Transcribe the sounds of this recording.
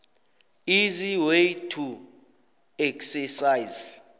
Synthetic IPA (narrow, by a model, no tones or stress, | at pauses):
iziwejtʰu | ɛksɛsajz